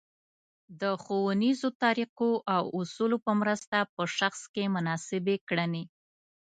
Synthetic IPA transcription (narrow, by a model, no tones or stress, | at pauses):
d̪əxowənizot̪ɑɾiqoʔawʊsulopəmɾəst̪apəʃaxskemʊnɑsɪbekɽəne